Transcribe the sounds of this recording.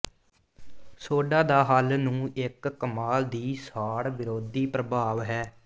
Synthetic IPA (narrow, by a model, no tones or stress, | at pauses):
soːɖãːd̪aːɦaːlnũːɪkːəmaːld̪iːsaːɽʋɪɾoːd̪iːpɾəbʱaːʋɦɛː